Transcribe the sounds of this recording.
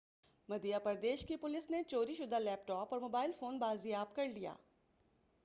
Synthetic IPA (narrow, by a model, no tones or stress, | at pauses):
mɐd̪ijapɐɾd̪eːʃkipʊlɪsnet͡ʃoːɾiʃʊd̪ʱalɛːpʈɔːpɔːɾmoːbaːɪlfoːnbaːzijaːbkɐɾlija̰ː